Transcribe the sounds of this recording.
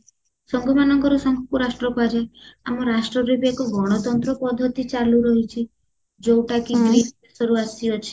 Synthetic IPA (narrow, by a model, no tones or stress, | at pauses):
sɔŋɡɔmanɔŋkɔɾɔsɔŋɡɔkuɾasʈɾɔkad͡ʒaamɔɾasʈɾɔbibʱeɡɔɡɔɽ̃ɔt̪ɔnt̪ɾɔpɔd̪ʱːɔt̪it͡ʃaɾluɾɔɦit͡ʃʰi | d͡ʒowʈakiɡɾiesɔɾuasiɔt͡ʃʰi̥